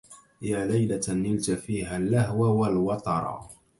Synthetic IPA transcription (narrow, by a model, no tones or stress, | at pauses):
jaːlajlanɪlt̪afiːɦalːahwawalwɑt̪ˤɑɾˤɑ̰